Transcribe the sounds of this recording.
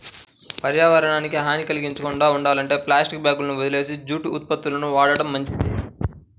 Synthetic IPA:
pɐɾjaːʋɐɾɐɳaːnikiɦaːnikɐliɡiɲt͡ʃɐkuɳɖaːuɳɖaːlɐɳʈe̞ːplaːsʈik̚bjaːɡulɐnuʋɐd̪ile̞ːsid͡ʒuːʈuːt̪̚pɐt̪ːulɐnuʋaːɽɐɽɐmːɐɲt͡ʃi

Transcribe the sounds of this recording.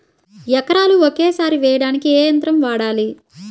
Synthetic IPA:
jɐkɐɾaːluokeːsaːɾiʋɛːjɐɽaːnikieːjɐnt̪ɾɐmʋaːɽaːli

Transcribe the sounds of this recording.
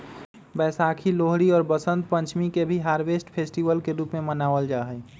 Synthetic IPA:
bɛːsaːkʰiloːɦɾiɔːɾbəsə̃nt̪̚pə̃nt͡ʃmikebʱiɦaːɾʋeːsʈpʰeːsʈiʋəlkeɾuːpmẽmənaːʋəld͡ʒaːɦɛ

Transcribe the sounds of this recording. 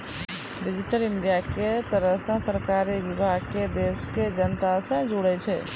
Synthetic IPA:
ɾɪd͡ʒɪʈəlɪɳɖijaket̪əɾəɦsãsəɾkaːɾiʋɪbʱaːɡ̚ked̪eːʃked͡ʒənt̪asẽd͡ʒʊɽɛt͡ʃʰɛ

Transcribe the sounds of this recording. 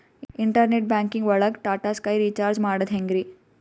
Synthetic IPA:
iɳʈɐɾneʈ̚baːŋkiŋɡʋɐɭɐkʈaːʈaːskɐjɾiːt͡ʃaːɾd͡ʒmaːɽɐd̪ɦeŋɡɾi

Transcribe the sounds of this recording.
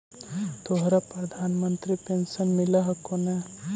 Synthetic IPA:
t̪oɦɾapɾɐd̪ʱaːnmənt̪ɾipensənmilaɦɐkone

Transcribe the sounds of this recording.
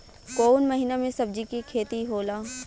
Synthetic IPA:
koːnmɐɦiːnamẽsɐb̚d͡ʒikikʰeːt̪iɦoːlaː

